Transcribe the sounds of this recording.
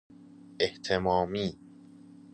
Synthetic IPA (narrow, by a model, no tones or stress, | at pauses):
ʔeht̪ʰemɒːmiː